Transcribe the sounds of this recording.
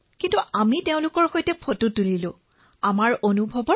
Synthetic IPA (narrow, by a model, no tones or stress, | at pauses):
kintuʔamiteʊ̃lʊkɔɹxojtɛpʰotutulilʊ̃ | amaɹonubʱɔbɔ